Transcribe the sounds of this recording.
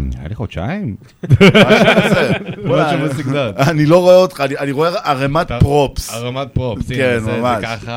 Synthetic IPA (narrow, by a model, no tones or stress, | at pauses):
naja̰liχodt͡ʃa̰im | maʃazebaʃemaikzatanilo̞ʁoeot̪χanianiʁoeaʁemat̪pʁopsemat̪̚poskenmamaʃaχa